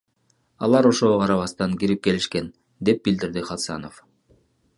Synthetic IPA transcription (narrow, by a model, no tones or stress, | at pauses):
ɑ̰lˠɑɾo̞ʃooqʰɑɾɑβɑst̪ɑŋkiɾip̚ke̞liʃke̞n | d̪e̞p̚bild̪iɾd̪iχɑt̪sɑ̰no̞̰f